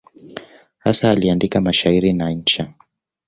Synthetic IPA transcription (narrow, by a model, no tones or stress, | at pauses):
hasaːliandikamaʃaiɾinaɲ̩t͡ʃa